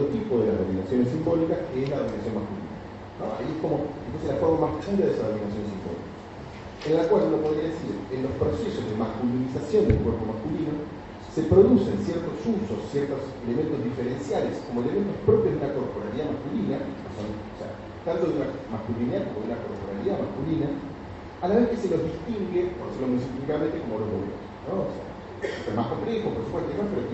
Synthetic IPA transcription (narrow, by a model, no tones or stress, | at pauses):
ot̪ipo̞ðelaðominasjo̞nes̬imbo̞likaskeeslaðominasjo̞nmaskulḭna̰na̰ | noa̰iehko̞moepuselafo̞ɾmamahpuɾaðesaðminasjo̞nesimbo̰lḭka | enlakwalunopo̞ðɾiaðesiɾenlo̞spɾo̞seso̞zðemaskulinisasjond̪ḛkweɾpo̞maskulino̞ | se̞pɾo̞ðuse̞nsjeɾt̪o̞susosːjeɾt̪oselement̪ozðifeɾe̞nsjalesko̞mo̞element̪ospɾo̞pjozðunako̞ɾpo̞ɾaliðamaskulinanosonosḛa̰ | t̪ant̪oðunamaskuliniakomoðunako̞ɾpoɾaliðamaskulina | alaβe̞hkeselo̞zðist̪iŋɡepoɾðeseɾlomunisipifikamẽ̞nt̪eko̞moloðoβ̰o̰snoosḛa̰ | emahkomple̞xopoɾsu̥pwest̪enoepeɾo